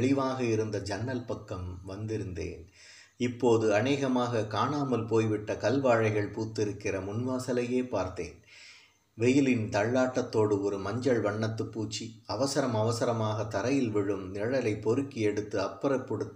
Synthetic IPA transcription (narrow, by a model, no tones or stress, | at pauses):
ɭɪʋaːɣɐɪɾɯnd̪ɐd͡ʒɐnːɐlpɐkːɐmʋɐnd̪ɪɾɯnd̪ḛːn | ɪpːoːðɯɐneːɣɐmaːɣɐkaːɳaːmɐlpoːjʋɪʈːɐkɐlʋaːɻɐɪɣɐɭpuːt̪ːɪɾɯkːɪrɐmʊnʋaːsɐlɐjeːpaːɾt̪ḛːn | ʋɛjɪlɪnt̪ɐɭːaːʈːɐt̪ːoːɽɯɔɾɯmɐɲd͡ʒɐɭʋɐɳːɐt̪ːɯpːuːt͡ʃːiɐʋɐsɐɾɐmɐʋɐsɐɾɐmaːɣɐt̪ːɐɾɐjɪlʋɪɻɯmnɪɻɐlɐɪpːɔɾɯkːiɛɽɯt̪ːɯɐpːɐɾɐpːɔɽɯt̪ː